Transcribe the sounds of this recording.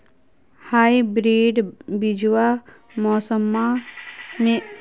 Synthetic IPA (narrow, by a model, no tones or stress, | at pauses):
haːibɾeːɖbid͡ʒwa | mɔːsəmːa | mẽ